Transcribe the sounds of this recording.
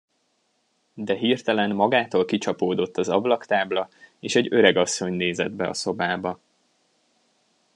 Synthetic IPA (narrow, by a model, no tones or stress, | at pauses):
d̪ɛɦirt̪ɛlɛnmɒɡaːt̪oːlkit͡ʃɒpoːd̪o̞t̪ːɒzɒblɒkt̪aːblɒeːʃɛɟø̞ɾɛɡɒsːo̞ɲneːzɛd̪bɛɒ̰so̞baːbɒ